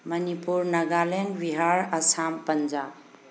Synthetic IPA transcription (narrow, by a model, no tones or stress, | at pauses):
mɐnipuɾnɐɡalenwiɦaɾɐsampɐnd͡ʒab̚